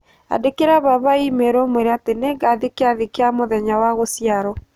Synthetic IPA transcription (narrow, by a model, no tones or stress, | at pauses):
a̰dekeɾaβaβaimeɾomweɾeateneɡaðikeaðikeamoðɛɲawaɣosjaɾɔ